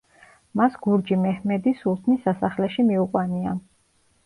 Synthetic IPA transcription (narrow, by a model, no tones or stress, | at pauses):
masɡ̥uɾd͡ʒimɛhmɛd̪isulˠt̪ʰnisasaχlɛʃimiuqʼwania̰